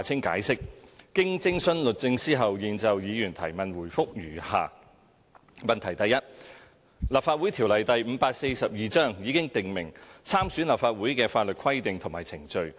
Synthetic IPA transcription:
t͡sʰɪ˥ŋka̰ː˨˥jsɪ˥k̚ːɪ˥ŋt͡sɪ˥ŋsɵ˥nlɵ˨t̚t͡sɪ˧ŋsiː˥ɦɐ˨wjiː˨nt͡sɐ˨wjiː˨˧jyː˨˩nt̪ʰɐ˨˩jmɐ˨nwuː˨˩jfʊ˥k̚jyː˨˩ha̰ː˨˧ | mɐ˨nt̪ʰɐ˨˩jt̪ɐ˨jɐ˥t̚ | laː˨˩p̚faː˧wuː˨˥jt̪ʰiː˨˩wlɐ˨jt̪ɐ˨jm̩˨˧˥paː˧k̚se˧jsɐ˨p̚jiː˨˧t͡sœː˥ŋjiː˨˧kɪ˥ŋt̪ɪ˨ŋmɪ˨˩ŋt͡sʰaː˥msyː˨˥nlɐː˨˩pfaː˧t̚wuː˨˥jkɛː˧faː˧t̚lɵ˨t̚kʰwɐ˥jt̪ɪ˨ŋt̪ʰʊ˨˩maː˨˩jt͡sʰɪ˨˩ŋt͡ʃɵ˧ɥ

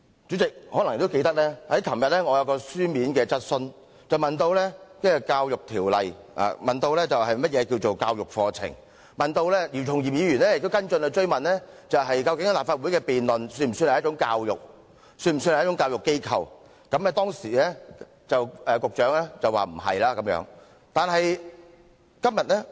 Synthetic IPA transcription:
t͡ʃy˨˥t͡sɪ˨k̚hɔː˨˥lɐ˨ŋjɪ˨kt̪o˥ke˧jt̪ɐ˥k̚lɛː˥hɐ˨˥jkʰɐ˨˩mjɐ˨t̚lɛː˥ŋɔː˨˧jɐ˨˧wkɔː˧syː˥miː˨˥nkɛː˧t͡sɐ˥t̚sɵ˧n | t͡sɐ˨˩wmɐ˨nt̪o˧wlɛː˥te˥ɛ˨kaː˧wjʊ˨k̚t̪ʰiː˨˩wlɐ̰˨j | a̰ː˨mɐ˨nt̪o˧wlɛː˥t͡sɐ˨whɐ˨jmɐ˥t̚jɛː˨˧kiː˧wt͡ʃo˨wkaː˧wjʊ˨k̚fɔː˧t͡sʰɪ̰˨˩ŋ | mɐ˨nt̪o˧wlɛː˥li˨˩t͡sʰʊ˨˩ŋji˨p̚jiː˨˧jyː˨˩nlɛː˥jɪ˨k̚t̪o˥kɐ˥nt͡ʃɵ˧ne˧t͡ʃɵ˥ɥmɐ˨nlɛː˥t͡sɐ˨wɦɐ˨jkɐ˧wkɪ˨˥ŋ˨laː˨˩p̚faː˧t̚wu˨˥jkɛː˧piː˨nlɵ˨nsyː˧nm̩˨˩sy˧nhjɐ˥t͡ʃʊ˧˥ŋkaː˧wjʊ̰˨k̚ | syː˧nm̩˨˩syː˧nhj̚ʊ˥ŋkaː˧wjʊ˨kːe˥jkʰɐ̰˧w | kɐ˨˥mɛ˧t̪ɔː˥ŋsiː˨˩lɛː˥ | t͡sɐ˨wɛː˨˧kʊ˨k̚t͡ʃœː˨˥ŋlɛː˥t͡sɐ˨wa̰ː˨˩m̩˨˩ɦɐ̰˨jlaː˥kɐ˨˥mjœ̰ː˨˧˥ŋ | t̪aː˨nɦɐ˨j | kɐ˥mjɐ˨t̚lɛ˥

